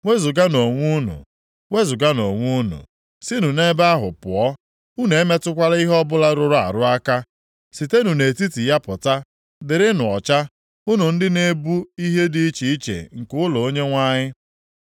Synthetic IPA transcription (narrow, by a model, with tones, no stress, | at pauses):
ŋʷe˦zʊ˨ɡa˦no˨ŋʷu˦nṵ˨ | we˦zʊ˨ɡa˦no˨ŋʷu˦nṵ˨ | sɪ˦nu˨ne˦ba˦ɦʊ̰˨pʊ̰˨ɔ˦ | u˦ne˨e˦me˦tʊ˦kʷa˦la˦i˦ɦɔ˦bʊ˦la˦ɾʊ˦ɾʊ˦a̰˨ɾʊ˦a˦ka˦ | si˨te˦nu˨ne˨ti˦ti˨ja˦pʊ˨ta˦ | dɪ˨ɾɪ˦nʊ˨ɔ̰˨t͡ʃa˦ | ʊ˦nu˨n̩˦dɪ˦ne˦bu˦i˦ɦe˦di˦i˦t͡ʃi˨i˦t͡ʃḛ˨ŋ̩˨kʊ˦lɔ˨o˦ɲe˦ŋʷa˦ɲɪ˦